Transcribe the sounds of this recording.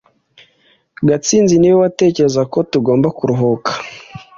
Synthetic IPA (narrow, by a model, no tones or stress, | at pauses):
ɡat͡siːnziniwowate̞ːce̞ɾe̞zako̞tuɡo̞ːmbakuɾuɦokʰḁ